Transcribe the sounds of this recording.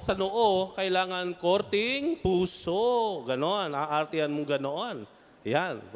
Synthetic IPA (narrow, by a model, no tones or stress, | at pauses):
sanoʔokailaŋankort̪iŋpusoɡanoanaʔart̪ianmuɡanoan | jan